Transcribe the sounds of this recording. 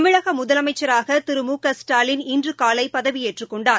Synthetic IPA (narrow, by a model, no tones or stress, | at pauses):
mɪɻɐɣɐmʊðɐlɐmɐɪt͡ʃːɐɾaːɣɐt̪ɪɾɯmuːkɐsʈaːlɪnɪndrɯkaːlɐɪpːɐðɐʋijeːʈrɯkːɔɳɖaː